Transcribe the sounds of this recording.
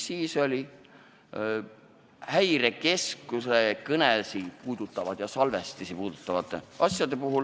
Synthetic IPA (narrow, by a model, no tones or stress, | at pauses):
siːso̞lʲi | hæjɾe̞ke̞skusekɤnelsipuːd̪̥ut̪ːˑɑvɑd̪̥jɑsɑlve̞st̪isipuːd̪ut̪ːˑɑvɑt̪ːˑeɑsjɑd̪e̞puɦul